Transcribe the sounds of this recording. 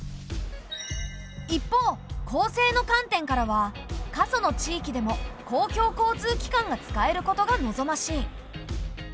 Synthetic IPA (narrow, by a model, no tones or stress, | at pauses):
ipːo̞ːkʰo̞ːse̞ːno̞kãnt̪ẽ̞ŋkaɾaβ̞a | kaso̞no̞t͡ɕiːkʲid̪e̞mo̞kʰo̞ːkʲo̞ːko̞ːt͡sɨːkʲi̥kãŋɡat͡sɨ̥kae̞ɾɯ̟ko̞t̪o̞ɡano̞zo̞maɕiː